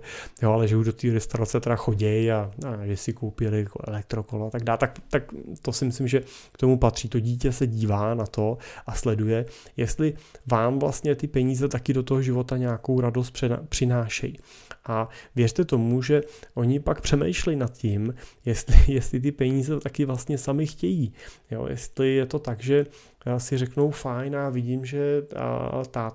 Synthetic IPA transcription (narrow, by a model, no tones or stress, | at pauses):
joalɛʒɛuʒdo̞t̪iːoɾɪst̪aɾat͡sɛt̪ɛɾaxo̞ɟɛjaaʒɛsɪkowpɪlɪkoʔɛ̰lɛk̚t̪ɾo̞kolat̪aɡ̚daːlt̪akt̪akt̪o̞sɪmɪslɪmʒɛkt̪o̞mupat̪r̝̥iːt̪o̞ɟiːcɛsɛɟiːvaːnat̪o̞ʔaslɛdujɛ | jɛst̪lɪvaːmvlast̪ɲɛt̪ɪpɛɲiːzɛt̪akɪdo̞t̪oɦoʒɪvo̞t̪aɲaːko̞wɾado̞s̬t̪̚prɛ̰pr̥ɪnaːʃɛ̰ji | ʔavjɛrt̪ɛt̪o̞muʒɛʔo̞ɲɪpak̚pr̝̥ɛmɛ̰jʃlɛjnat̪cɪmjɛst̪lɪjɛst̪lɪt̪̬ɪpɛɲiːzɛt̪akɪvlast̪ɲɛsamɪxcɛjiːjo̰ːjɛ̰st̪lɪjɛt̪o̞t̪aɡʒɛ | sɪrɛkno̞wfajnjaːvɪɟimʒɛ | t̪a